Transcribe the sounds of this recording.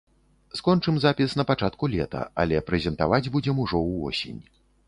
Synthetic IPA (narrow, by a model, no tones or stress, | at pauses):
skɔnt͡ʂɨmzapʲisnɐpat͡ʂat̪kulʲɛt̪ɐ̰ɐ̰lʲɛpɾɛzʲɛnt̪avad͡zʲbud͡zʲɛmuʐɔwvɔ̰sʲḛnʲ